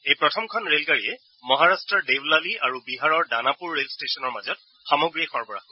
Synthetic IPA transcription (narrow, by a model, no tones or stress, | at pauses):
ejpɹɔtʰɔmkʰɔnɹelɡaɹiɛ | mɔɦaɹastɹɔɹdewlaliaɹubiɦaɹɔɹdanapuɹːelstesɔnɔɹmazɔt̚ | xamɔɡɹiaxɔɹbɔɹa̰